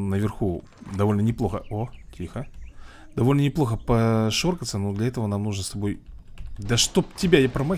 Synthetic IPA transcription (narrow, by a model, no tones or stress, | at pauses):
nəvʲɪrxu | d̪ɐvo̞lʲnənʲɪplˠo̞xəotʲʰixəd̪̥ɐvo̞lʲnənʲɪplˠo̞xəpɐʂorkət̪sənud̪lʲɐɛt̪əvənamnuʐnəst̪ɐbo̞j | d̪ɐʂt̪op̚tʲɪbʲajapɾəmɐ